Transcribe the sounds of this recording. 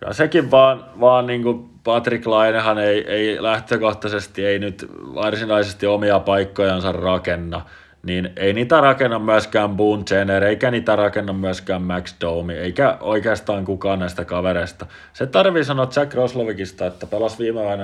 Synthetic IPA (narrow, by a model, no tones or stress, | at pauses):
jɑ̰sekiʋʋɑːnʋɑːnniːŋku | pɑt̪riklɑinehɑneiʔeilæht̪økoht̪ɑsest̪ieinyt̪ʋɑrsinɑisest̪iomiɑpɑikːojɑnsɑrrɑkenːɑ | nineiniːt̪ærɑkenːɑmmyæskæːmbuːnt̪eneɾeikæniːt̪ærɑkenːɑmmyæskæːmmæksd̪oumieikæoikeːst̪ɑːŋkukɑːnnæist̪ækɑʋeɾeist̪ɑ | set̪ɑrʋisɑnoɑt̪sækrosloʋikist̪ɑet̪ːæpelɑsʋiːmeʋɑinɑ